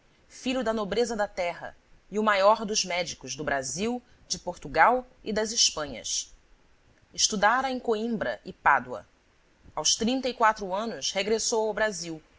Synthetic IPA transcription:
fiʎʊd̪ɐnobɾezɐd̪ɐt̪ɛɦɐ̰iʊmajɔɾd̪ʊzmɛd͡ʒikʊzd̪ʊbɾaziw | d͡ʒɪpoɾt̪uɡawid̪ɐziʃpɐ̃ɲɐ̰s | ɪʃt̪ud̪aɾɐẽj̃koĩmbɾɐ̰ʔɪpad̪wɐ̰ | awst̪ɾĩnt̪ɐikwat̪ɾʊɐ̃nʊsheɡɾesowawbɾaziw

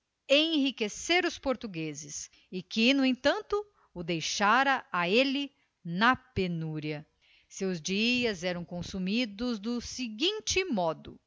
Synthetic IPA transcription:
ẽhikeseɾʊspoɾt̪uɡezɪs | ɪkɪnʊẽt̪ɐ̃nt̪ʊ | ʊd̪ejʃaɾɐaelɪ | nɐpenuɾiɐ | sewzd͡ʒiɐzɛɾɐ̃w̃kõsumid̪ʊzd̪ʊsiɡĩnt͡ʃɪmɔd̪ʊ

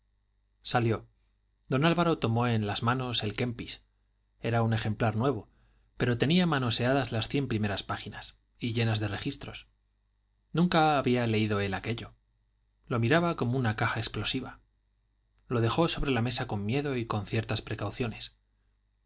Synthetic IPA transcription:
saljo̞ | d̪o̞nalβaɾo̞t̪o̞mo̞e̞nlazmãno̞se̞lke̞mpis | e̞ɾaune̞xe̞mplaɾnwe̞β̞o̞ | pe̞ɾo̞t̪e̞niamano̞se̞aðazlasθje̞mpɾime̞ɾaspaxinas | iʎe̞nazðe̞re̞xist̪ɾo̞̰s | nũŋkaːβiale̞iðo̞e̞lake̞ʎo̞ | lo̞miɾaβako̞mounakaxaeksplo̞siβa | lo̞ð̞e̞xo̞so̞βɾe̞lame̞sako̞mːje̞ðo̞iko̞nθje̞ɾt̪aspɾe̞kawθjo̞ne̞s

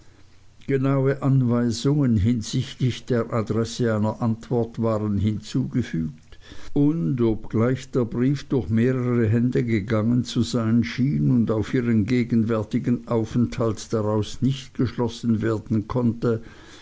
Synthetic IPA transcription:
ɡ̥ənaʊəʔanvaɪzʊŋənɦɪnz̥ɪçtlɪçd̥eːɐʔadʁɛsəaɪnɐʔantv̥ɔɐtv̥aːʁənɦɪnt͡suːɡəfyːk̚t | ʊndopɡ̥laɪçd̥eːɐbʁiːfd̥ʊɐçmeːʁəʁəɦɛndəɡəɡaŋənt͡suzaɪnʃiːnʊndaʊfiːʁənɡeːɡən̩vɛɐtɪɡənʔaʊfɛnthaltd̥aʁaʊsnɪçtɡ̥əʃlɔsn̩veːɐdn̩kʰɔntə

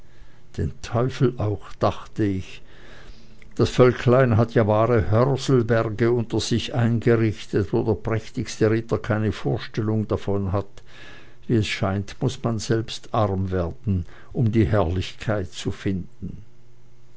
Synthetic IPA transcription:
d̥ḛːntʰɔʏfl̩ʔaʊxd̥aχtəɪç | d̥asfœlkʰlaɪnɦatʰjaːvaːʁəhœʁzl̩bɛʁɡəʊntɐz̥ɪçʔaɪnɡəʁɪçtətvoːdɛɐpʁ̥ɛçtɪçstəʁɪtɐkʰaɪnəfoːɐʃtɛlʊŋdafɔnɦat | viːɛsʃaɪntmʊsmanzɛlpstʔaʁmveːɐdn̩ | ʔʊmdiːhɛɐlɪçkʰaɪt̚t͡sufɪndn̩

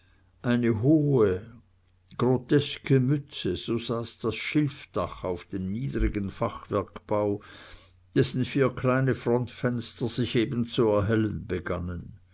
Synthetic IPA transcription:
ʔaɪnəɦoːə | ɡ̥ʁotʰɛskəmʏt͡səz̥oːz̥aːsd̥asʃɪlfd̥aχaʊfd̥eːmniːdʁiɡənfaχv̥ɛɐkb̥aʊ | d̥ɛsn̩fiːɐkʰlaɪnəfʁɔntfɛnstɐz̥ɪçeːbn̩t͡suɛɐɦɛlənbəɡanən

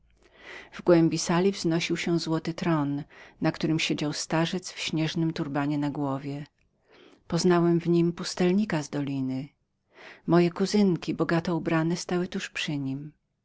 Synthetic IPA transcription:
vɡwɛmʲbʲisalʲivznɔɕiwɕɛ̃zwɔt̪ɘt̪ɾɔnːakt̪uɾɘmɕed͡ʑawst̪aʐɛt̪sfɕɲɛʐnɘmt̪uɾbaɲɛnaɡwɔvʲjɛ | pɔznawɛmvɲimpust̪ɛlɲikazd̪ɔlʲinɘ | mɔjɛkuzɘŋkʲibɔɡat̪ɛubɾanɛst̪awɘt̪uʂpʂɘɲim

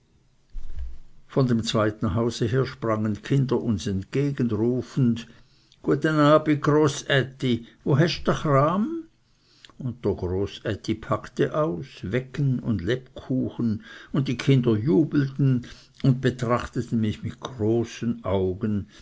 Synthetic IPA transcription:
fɔndemt͡sv̥aɪtn̩ɦaʊzəɦeːɐʃpʁ̥aŋənkʰɪndɐʔʊnsɛntkeːɡənʁuːfn̩d | ɡ̥uətənaːbiɡ̥ʁoːsɛtivoɦɛʃdɐχraːm | ʊnt̚d̥eɐɡʁoːsɛtʰipʰaktəʔaʊsvɛkənʊ̰ndlɛpkʰuːxən̩ʊnt̚d̥iːkʰɪndɐjuːbl̩tn̩ | ʊnd̚b̥ətʁ̥aχtətn̩mɪçmɪt̚ɡ̥ʁoːsənʔaʊɡən

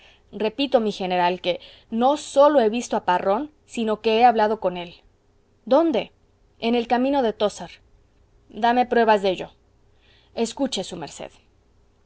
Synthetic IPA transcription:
re̞pit̪o̞mixe̞ne̞ɾalke̞ | no̞so̞lo̞e̞βist̪o̞aparo̞n | sino̞ke̞eaβlað̞o̞ko̞ne̞l | d̪o̞nd̪e̞ | ene̞lkamĩno̞ðe̞t̪o̞saɾ | d̪ame̞pɾwe̞βazðe̞ʝo̞̰ | e̞skut͡ʃe̞sume̞̰ɾsḛð

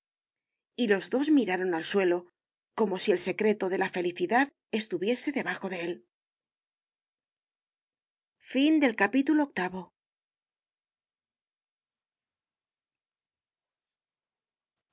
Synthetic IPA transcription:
ilo̞zðo̞zmiɾaɾo̞nalswe̞lo̞ | ko̞mo̞sie̞lse̞kɾe̞t̪o̞ðe̞lafe̞liθiðað | e̞st̪uβje̞se̞ðe̞βaxo̞ðe̞el | find̪e̞lkapit̪ulo̞ːk̚t̪aβo̞

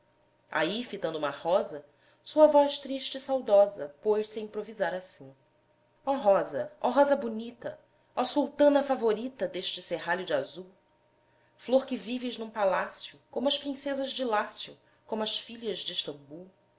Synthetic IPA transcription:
a̰ifit̪ɐ̃nd̪ũmɐhɔzɐ | suɐvɔʃt̪ɾiʃt͡ʃɪsawd̪ɔzɐpojsĩpɾovizaɾasĩ | ɔɦɔzɐɔɦɔzɐbunit̪ɐ | ɔsuwt̪ɐ̃nɐfavoɾit̪ɐd̪eʃt͡ʃɪseɦaʎʊd͡ʒɪazuw | floɾkɪvivɪʒnũpalasjʊkõmʊɐʃpɾĩsezɐʒd͡ʒɪlasjʊ̰ | kõmʊɐʃfiʎɐʒd͡ʒɪiʃt̪ɐ̃mbuw

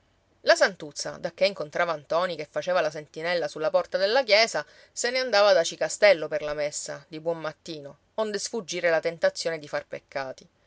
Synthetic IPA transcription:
lasant̪ut̪sːa̰d̪akːeiŋkont̪ɾʔaːvaːnt̪ɔːnikefːat͡ʃeːvalas̬ent̪inɛlːasulːapɔrt̪ad̪elːakjɛːza | seneand̪aːvad̪at͡ʃikast̪ɛlːoperlamesːad̪ibwɔmːat̪ːiːno | ond̪esfud͡ʒːiːɾelat̪ent̪at̪sːjoːned̪ifarpekʰːaːt̪i

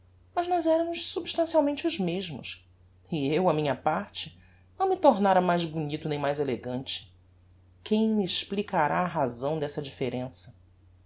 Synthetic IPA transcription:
mɐznɔzɛɾɐmʊʃsubʃt̪ɐ̃siawmẽnt͡ʃɪuzmeʒmʊ̰s | iewɐmĩɲɐpaɾt͡ʃɪ | nɐ̃w̃mit̪oɾnaɾɐmajzbunit̪ʊnẽj̃majzeleɡɐ̃nt͡ʃɪ̥ | kẽj̃mieʃplikaɾaːɦazɐ̃w̃d̪ɛsɐd͡ʒifeɾẽsɐ

